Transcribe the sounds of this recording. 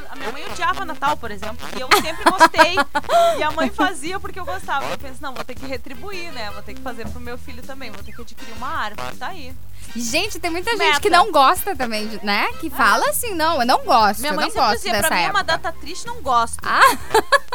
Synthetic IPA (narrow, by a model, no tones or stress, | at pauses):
ɐmĩɲɐmɐ̃j̃od͡ʒiavɐnat̪awpoɾezẽmplʊɪewssẽmpɾɪɡost̪ejɪɐmɐ̃j̃faziɐpʊɾkeewɡost̪avɐiewpẽsʊnɐ̃w̃vot̪ekɪɦet̪ɾibuiɾnɛvot̪ẽkɪfazeɾpɾʊmewfiʎʊt̪ɐ̃mbẽj̃vot̪ekɪad͡ʒikiɾiũmɐaɾvʊt̪ai | ɪʒẽt͡ʃɪt̪ẽj̃mũj̃t̪ɐʒẽnt͡ʃɪ̥kɪnɐ̃w̃ɡɔst̪ɐt̪ɐ̃mbẽj̃d͡ʒɪnɛkɪfalɐasĩnɐ̃w̃ewnɐ̃w̃ɡɔst̪mĩɲɐwmnɐ̃w̃ɡɔsziɐd̪ɛpɾɐsɐ̃ɛ̃ɛpũmɐd̪apt̪ɐt̪ɾist͡ʃɪnɐ̃w̃ɡɔst̪a